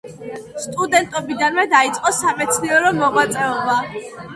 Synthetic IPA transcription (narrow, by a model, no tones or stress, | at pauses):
st̪ʼud̪ɛnt̪ʼɔbid̪anmɛd̪ait̪sʼqʼɔsamɛt̪sʰniɔɾɔmɔʁwat̪sʼɛɔba